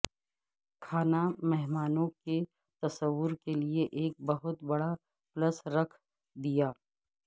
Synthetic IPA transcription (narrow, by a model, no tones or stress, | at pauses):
kʰaːnamɛɦmaːnõke | t̪ɐsəʋːʊɾkelieʔeːk̚bɐɦʊt̪bɐɽa | pləsɾɐkʰ | d̪ijaː